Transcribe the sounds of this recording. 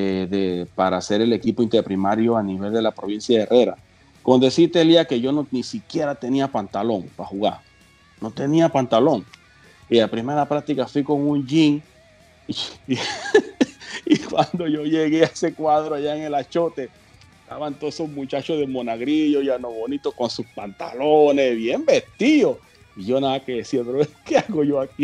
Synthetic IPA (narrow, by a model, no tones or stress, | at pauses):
eðepaɾase̞ɾe̞le̞kipoint̪eɾpɾimaɾjo̞aniβe̞ld̪e̞lapɾo̞β̞insjaerʔe̞ɾa̰ | ko̞nd̪e̞sit̪eliake̞ʝo̞nonisikje̞ɾat̪e̞niapant̪alo̞ŋpaxuɣaɾ | no̞t̪e̞niapant̪alo̞ŋ | iapɾime̞ɾaplat̪ikafwiko̞ŋunʝiŋ | ikwand̪o̞ʝo̞ʝeɣeaesekwaðɾoaʝaeŋe̞lat͡ʃo̞t̪e̞ | et̪aβant̪oðesozmut͡ʃat͡ʃoðe̞monaɣɾiʝojanoβonit̪oko̞nsuspant̪a̰lonezβje̞mbest̪iðo̞ | iʝo̞naðakeðesiaot̪ɾaβekeaɣoʝo̞aki